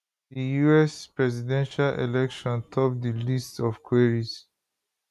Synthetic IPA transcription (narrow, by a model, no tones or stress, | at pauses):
dijuɛspɹɛzidɛ̃nʃalʔḛlɛkʃɔ̃ntʰɔp̚dilistɔfkʰweɹis